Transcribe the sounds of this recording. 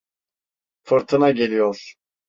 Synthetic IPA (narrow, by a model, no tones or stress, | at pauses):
fɨɾt̪ʰɯnaɟe̞lʲijoɾ̥